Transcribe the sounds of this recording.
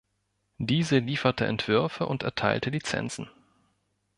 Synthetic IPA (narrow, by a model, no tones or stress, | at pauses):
d̥iːzəliːfɐtʰəʔɛ̰ntv̥ʏɐfəʔʊntɛɐtʰaɪltəlit͡sɛ̰nt͡sn̩